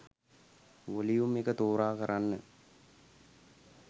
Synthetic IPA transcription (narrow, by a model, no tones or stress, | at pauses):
ʋolijumekət̪oːɾaːkəɾanːə